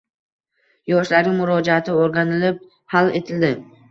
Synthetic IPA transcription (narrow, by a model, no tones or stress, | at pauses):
jɒʃlaɾɪmʊɾɒd͡ʒaat̪ʰɪoɾɡanɪlɪp̚ | hale̞̰t̪ʰɪld̪ɪ